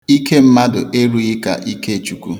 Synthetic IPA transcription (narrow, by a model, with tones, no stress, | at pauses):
i˦ke˦m̩˦ma˦dʊ˨ʔe˦ɾu˦i˦ka̰˨ʔi˦ke˦e˨t͡ʃu˨kṵ˦